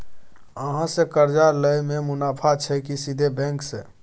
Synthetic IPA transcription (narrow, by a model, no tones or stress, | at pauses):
əɦãsekəɾd͡ʒaləjmemʊnaːpʰat͡ʃʰɛkisid̪ʱebɛ̃ŋkse